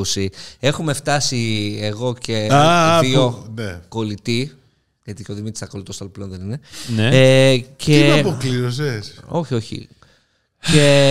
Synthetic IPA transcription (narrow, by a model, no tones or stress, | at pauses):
usie̞xume̞ft̪ɐsieɣo̞ceðioneko̞lit̪i | ʝɐt̪icoðimit̪isɐkolit̪o̞sɐlple̞nðenine̞neeceɐpokliɾos̬eso̞çio̞çḭ | ce